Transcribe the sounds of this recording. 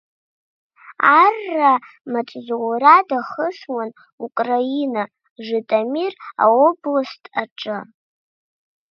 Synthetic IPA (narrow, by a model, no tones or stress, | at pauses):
arːa | maʈ͡ʂʼzuwɾadaχəswan | ukʼraina | ʐɨtʼamira̰oblɨstʼʰaʈ͡ʂʼɨ